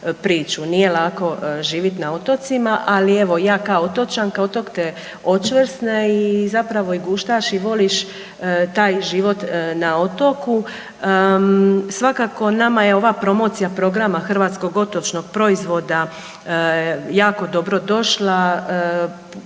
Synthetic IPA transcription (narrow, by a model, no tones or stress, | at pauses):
pɾiːt͡ʃunije̞laːko̞ʒiːʋit̪nao̞t̪o̞t̪simaʔalie̞ʋo̞jaːkaoot̪o̞t͡ʃankaot̪okt̪e | o̞t͡ʃʋrsnaizapɾaʋo̞iɡuːʃt̪aʃiʋo̞liʃ | t̪aːjʒiʋo̞t̪naot̪o̞ku | sʋakako̞namaje̞o̞ʋaːpɾo̞mo̞t̪sijapɾo̞ɡɾamaxr̩ʋaːt̪sko̞ɡo̞t̪o̞t͡ʃno̞ɡ̥̚pɾo̞izʋo̞d̪a | jaːko̞d̪o̞bɾo̞d̪o̞ʃlˠa